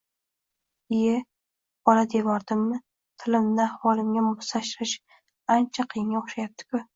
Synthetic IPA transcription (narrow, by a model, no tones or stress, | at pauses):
ɪjɪ | bɒlad̪evɒɾd̪ɪmːɪ | t̪ʰɪlɪmnɪahwɒlˠɪmɡʲamʊst̪ʰaʃɾɪʃ | ant͡ʃʰaqʰijɪŋʲaʊχʃajap̚t̪ʰɪ̥kʰʊ